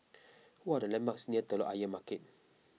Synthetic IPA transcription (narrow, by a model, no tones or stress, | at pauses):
wadalɛmbak̚sniət̪əloʔajəmakɪt̚